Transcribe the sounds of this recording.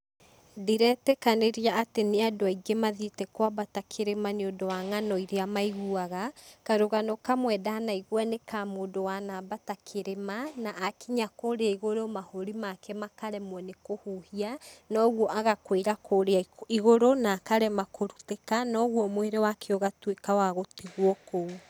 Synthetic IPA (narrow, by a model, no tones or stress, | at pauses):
diɾɛːtɛkaneɾiaateneadoaiɡemaðitɛkwabatakʰeɾemaneondowaŋanɔiɾeamaiɣuaɣakaɾoɣanɔkamwɛdaanaiɣwanekamoːndowanabatakʰeɾemanaʔːkiɲakoːɾeaiɣoɾomahoɾimakʰɛmakaɾɛmwɛnekohuhianɔɣwɔʔaɣakweiɾakʰoːɾeaiɣoɾonaːkaɾɛmakoɾutekanɔɣwɔmoeɾewakʰeoɣatwekawaɣotiɣwɔkou